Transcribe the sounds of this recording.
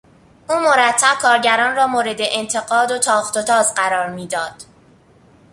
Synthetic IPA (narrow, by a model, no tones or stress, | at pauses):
ʔuːmo̞ɾæt̪ʰːæb̥̚kʰɒːɾɟæɾɒːnrɒːmoːɾe̞d̪e̞ʔent̪ʰe̞ɡɒːd̪ot̪ʰɒːχt̪o̞t̪ʰɒːzɢæɾɒːɾmiːd̪ɒːd̪̥